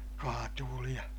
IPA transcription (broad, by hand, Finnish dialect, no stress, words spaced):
kɑːtuːli jɑ